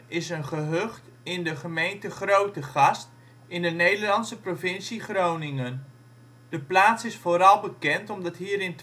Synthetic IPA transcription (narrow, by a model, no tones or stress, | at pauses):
ɪsənχəɦøχt | ɪndəχəmejntəχrowtəχɑst | ɪndənejdəlɑnsəprovɪnsiχrownɪŋən | d̥əplaːtsɪsfoːɾɑlˠbəkɛntɔmdɑtɦiːɾɪnt